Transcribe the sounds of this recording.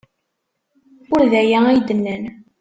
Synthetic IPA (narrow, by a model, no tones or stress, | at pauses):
ʊɾðæjæijd̪ənːən